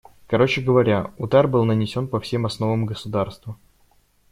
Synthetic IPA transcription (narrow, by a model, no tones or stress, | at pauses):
kɐɾo̞t͡ɕɪɡəvɐɾʲaʊd̪arbɨlˠnənʲɪsʲo̞npɐfsʲe̞mɐsno̞vəmɡəsʊd̪arst̪və